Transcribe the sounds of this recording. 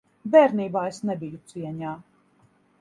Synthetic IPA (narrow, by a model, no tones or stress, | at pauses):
vɛɾniːbaːesnɛbijut̪siɛɲaː